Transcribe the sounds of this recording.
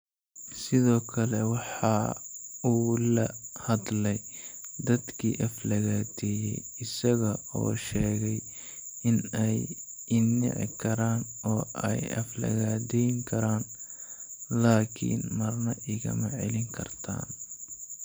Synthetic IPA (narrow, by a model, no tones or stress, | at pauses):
sɪðɔːkʰɐlɛwɑħɑ | uːlɐhɐd̪lɛj | d̪ɐd̪kʰiːʔɐflɐɣaːd̪ɛːjɛj | ɪsɐɣɐɔ̰ːʃɛːɣɛj | ɪnɛj | ɪnːɪ̰ʕɪ̰kʰɐɾaːnɔːʔɛ̰jɐ̰flɐ̰ɣaːd̪ɛjŋkʰɐɾaːn | laːkʰḭːnmɐrnɐʔɪɣɐ̰mɐʕɛlɪŋkʰɐ̰rt̪ʰa̰ːn